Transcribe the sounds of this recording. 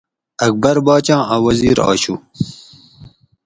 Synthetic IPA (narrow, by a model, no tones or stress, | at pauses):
ɐk̚bɐɾbɑːt͡ɕɑ̃ːʔawɐziːɾɑ̰ːɕu